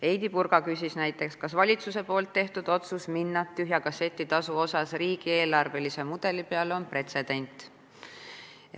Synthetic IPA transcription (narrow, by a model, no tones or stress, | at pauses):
e̞jd̪ipurɡ̥ɑkysisnæjt̪ːˑe̞kskɑsvɑlʲit̪suse̞po̞ːlt̪ːe̞ht̪ud̪̥o̞t̪susminːɑt̪ːyɦjɑkɑse̞t̪ʲːit̪ɑsuo̞sɑsriːɡ̥ie̞ːlɑrve̞lise̞mud̪̥e̞lipe̞ɑlo̞npre̞t̪se̞d̪̥e̞nʲt̪ˑ